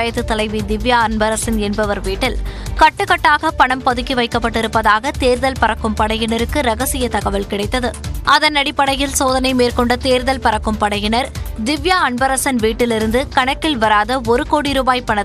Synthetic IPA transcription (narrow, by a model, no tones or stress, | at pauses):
jɐt̪ːɯt̪ːɐlɐɪʋid̪ɪʋjaːɐnbɐɾɐsɪnɛnbɐʋɐɾʋiːʈːɪlkɐʈːɯkːɐʈːaːɣɐpɐɳɐmpɐðɯkːiʋɐɪkːɐpːɐʈːɪɾɯpːɐðaːɣɐt̪eːɾðɐlpɐɾɐkːɯmpɐɽɐjɪnɐɾɯkːɯɾɐɣɐsɪjɐt̪ɐɣɐʋɐlkɪɽɐɪt̪ːɐðɯʔɐðɐnːɐɽɪpːɐɽɐjɪlsoːðɐnɐɪmeːɾkɔɳɖɐt̪eːɾðɐlpɐɾɐkːɯmpɐɽɐjɪnɐɾd̪ɪʋjaːɐɳbɐɾɐsɐnʋiːʈːɪlɪɾɯnd̪ɯkɐɳɐkːɪlʋɐɾaːðɐɔɾɯkoːɽiɾuːbaːjpɐɳɐð